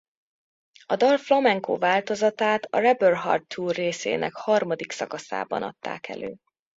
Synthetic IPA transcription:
ɒd̪ɒlflomɛŋko̰ːvaːlt̪o̞zɒt̪aːt̪ɒrɛbørɦɒ̰rt̪ʰːuːrːeːsḛːnʔɛkhɒrmɒd̪iksɒkɒsa̰ːbɒ̰nɒ̰t̪ːa̰ːkɛ̰lʔøː

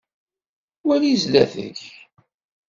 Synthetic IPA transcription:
wælizlæθə̰ç

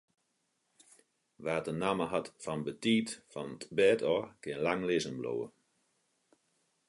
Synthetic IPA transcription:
ʋaːtənaməɦatfɔnbətiːtfɔnətbɛːtʰɔːkɪnlaŋlɪzənblo̰ːə̰

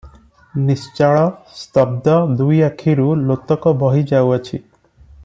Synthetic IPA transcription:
nist͡ʃaɭɔst̪ɔb̚d̪ɔd̪ujakʰiɾulot̪ɔkɔbɔɦid͡ʒawat͡ʃʰi

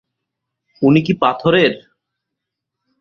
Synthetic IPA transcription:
unikipat̪ʰoɾeɾ

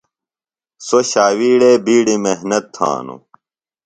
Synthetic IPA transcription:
soɕaːwiːɽeːbiːɽimeɦnɐt̪ʰːã̰ːnṵ

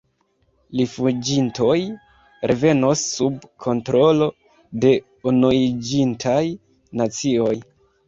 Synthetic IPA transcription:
lifud͡ʒinto̞j | ɾʔe̞ve̞nosːubkʰo̞ntɾo̞lo̞ | de̞ | unuid͡ʒintʰaj | nat͡sio̞j

